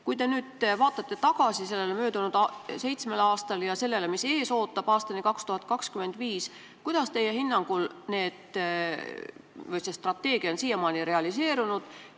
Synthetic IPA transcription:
kujd̪e̞nyːd̪̥vɑːt̪ːˑɑt̪ːe̞t̪ɑɡ̥ɑsise̞lːelemøːd̪unud̪̥ɑse̞jt̪sme̞lɑːst̪ɑljɑse̞lːe̞lemise̞ːso̞ːt̪ːˑɑb̥ɑːst̪ɑnikɑkst̪uhɑt̪̚ːˑkɑkskyme̞nd̪viːs | kujd̪̥ɑst̪e̞jːe̞hinːɑŋɡ̥ulne̞ːd̪̥ | vɤjsest̪rɑt̪ːˑe̞ːɡ̥iɑonsiːjemɑːniɾe̞ɑlise̞ːɾunud̪̥

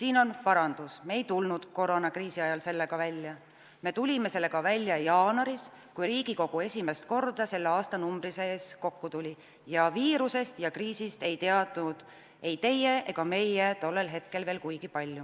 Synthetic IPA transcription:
siːno̞npɑɾɑnd̪̥usme̞ːjt̪ulnud̪̥ko̞ɾonɑkriːsiɑjɑlse̞lːe̞ɡ̥ɑvælʲjɑ | me̞ːt̪ulʲime̞se̞lːe̞ɡɑvælʲːjɑjɑːnɑɾis | kujɾiːɡ̥iko̞ɡ̥ue̞sʲime̞st̪̚ko̞rd̪̥ɑse̞lːeɑːst̪ɑnumbriseeːsko̞kːut̪ulʲi | jɑviːɾuse̞st̪jɑkriːsist̪e̞jt̪e̞ɑd̪̥nud̪̥ | e̞jt̪e̞je̞ʔeɡ̥ɑme̞jet̪o̞lːe̞lɦe̞t̪ke̞lveːlkujɡ̥ipɑlʲːju

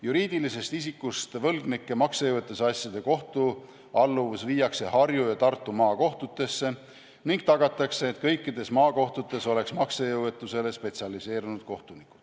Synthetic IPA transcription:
juɾiːd̪̥ilise̞st̪isikːust̪vɤlɡnikːe̞mɑksejɤwet̪ːˑusɑsʲjɑd̪̥e̞ko̞ht̪u | ɑlːuvsviːjɑkse̞hɑrjujɑt̪ɑrt̪ːˑumɑːko̞ht̪ut̪ːˑe̞sːe̞ | niŋɡ̥̚t̪ɑɡ̥ɑt̪ːˑɑkse̞ːt̪kɤjkːid̪̥e̞smɑːko̞ht̪ut̪ːˑe̞so̞le̞ksmɑksejɤwet̪ːˑuse̞le̞spe̞t̪siɑlise̞ːɾunud̪̥̚ko̞ht̪unikːˑu̥t̪

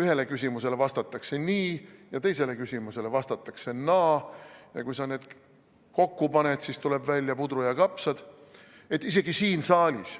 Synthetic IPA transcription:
yhe̞le̞kysʲimuse̞le̞vɑst̪ɑt̪ːˑɑkse̞niːjɑt̪e̞jse̞le̞kysʲimuse̞le̞vɑst̪ɑt̪ːˑɑkse̞nɑːjɑkujsɑne̞ːd̪̥ | ko̞kːupɑnet̪sist̪ule̞bvælʲjɑpud̪ɾujɑkɑpsɑd̪̥ | e̞t̪ːˑis̬e̞ɡisiːnsɑːlʲis

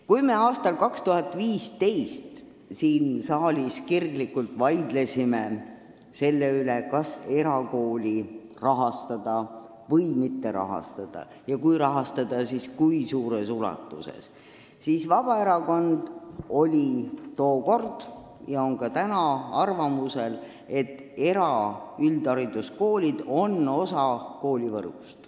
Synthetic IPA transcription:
kujme̞ɑːst̪ɑlkɑkst̪uɦɑt̪ːˑviːst̪e̞jst̪ | siːnsɑːlʲiskirklikːult̪ˑvɑjd̪̥le̞sime | se̞lːeylekɑse̞ɾɑko̞ːlʲirɑɦɑst̪ɑd̪̥ɑ | vɤjmit̪ːe̞ɾɑ̰ɦɑ̰st̪ɑd̪̥ɑ̰ | jɑkujɾɑɦɑst̪ɑd̪̥ɑsiskujsuːɾesulɑ̰t̪ːˑusḛs | sisvɑb̥ɑe̞ɾɑko̞nd̪̥o̞lʲit̪o̞ːko̞rd̪̥ | jɑo̞ŋkɑt̪ænɑɑrvɑmuse̞l | e̞t̪ːˑe̞ɾɑyld̪ɑɾid̪usko̞ːlʲid̪̥o̞no̞sɑko̞ːlʲivɤ̰rɡ̥u̥st̪

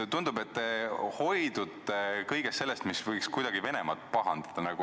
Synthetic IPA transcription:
t̪und̪ube̞t̪ːho̞jd̪̥ud̪kɤjɡ̥est̪se̞lːest̪misvɤjkskujd̪̥ɑɡ̥ive̞nemɑt̪̚ːˑpɑɦɑnd̪̥ɑd̪̥ɑnɑɡu

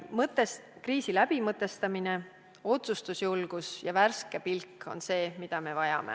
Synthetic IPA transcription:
mɤt̪ːˑeskriːsilæb̥imɤt̪ːˑe̞st̪ɑmine̞ | o̞t̪sust̪usjulɡ̥usjɑværske̞pilkːo̞̰nse̞ːmid̪̥ɑme̞vɑjɑ̰me̞̰

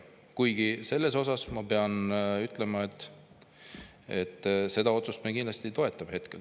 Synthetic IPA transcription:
kujɡ̥ise̞lːe̞s̬o̞s̬ɑsmɑpe̞ɑnyt̪ːˑle̞mɑe̞t̪ːˑ | e̞t̪ːˑse̞d̪̥ɑo̞t̪sust̪mekind̪lɑst̪it̪o̞e̞t̪ːˑɑb̥he̞t̪ke̞l

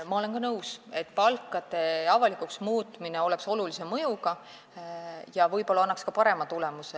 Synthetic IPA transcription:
mɑo̞le̞nkɑnɤwse̞t̪ːˑpɑlkːˑɑd̪̥e̞ɑvɑlikuksmuːt̪mineo̞lɛ̞kso̞lulise̞mɤjukɑ | jɑvɤjpo̞lːɑɑnːɑkskɑpɑɾe̞mɑt̪ulemuse

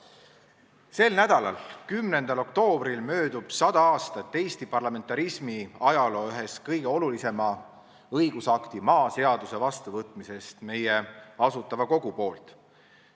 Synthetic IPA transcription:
se̞lnæd̪̥ɑlɑlkymne̞nd̪ɑlo̞kt̪o̞ːb̥rilmø̞ːd̪ub̥sɑd̪̥ɑɑːst̪ɑt̪ːe̞jst̪ipɑrlɑme̞nt̪ːˑɑɾismiɑjɑlo̞ːyɦe̞skɤjɡ̥e̞o̞lulise̞mɑ | ɤjɡusɑkt̪imɑːse̞ɑd̪use̞vɑst̪uvɤt̪ːˑmise̞st̪me̞jeɑsut̪ːˑɑvɑko̞ɡ̥upo̞ːlt̪

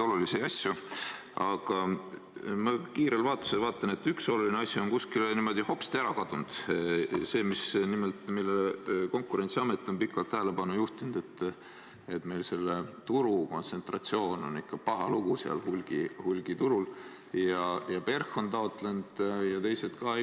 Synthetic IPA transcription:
oluliseɑsju | ɑɡ̥ɑ | mɑkiːɾelvɑːt̪ːˑoselvɑːt̪ːˑɑne̞t̪ːykso̞lulineɑsʲjuo̞nkuskilnimo̞d̪iho̞pi̥st̪æɾɑkɑd̪̥und̪̥ | se̞ːmisnimelt̪ˑmilːeko̞ŋkːˑuɾe̞nsiɑmet̪ːˑo̞npikːˑɑlt̪ːæɦele̞pɑnːujuht̪ind̪̥e̞t̪ː | et̪me̞jlse̞lːet̪uɾuko̞nse̞nt̪rɑt̪sio̞ːno̞̰nikːɑpɑɦɑluɡ̥useɑ̰lhulɡ̥ihulɡ̥it̪uɾul | jɑjɑpe̞rxo̞nt̪ɑot̪lend̪̥jɑt̪e̞jset̪kɑe

